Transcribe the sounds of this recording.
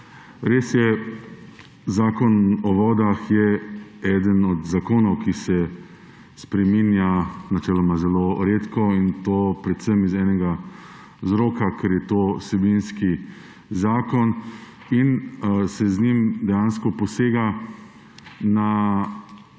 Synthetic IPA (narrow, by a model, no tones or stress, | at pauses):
ɾeːsjɛ | zaːkɔnɔʋɔːd̪axjɛɛːd̪ənɔd̪zakoːnɔwkisɛ | spɾɛminjanat͡ʃɛːlɔmazɛloːɾeːt̪kɔint̪oːpɾɛt̪sɛmizɛːnɛɡa | zɾoːkakʰɛɾjɛt̪oːsɛbinski | zaːkɔn | insɛznimd̪ɛjanskɔpɔseːɡa | na